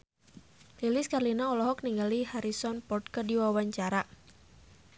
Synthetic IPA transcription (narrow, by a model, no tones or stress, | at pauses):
lilɪskarlinaɔlɔɦɔk̚niŋɡalihaɾisɔnpɔrt̪̚kərdiwawaɲt͡ʃaɾa